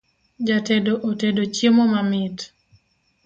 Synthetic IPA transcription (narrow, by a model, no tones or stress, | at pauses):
d͡ʒatedoʔotedot͡ʃimomamit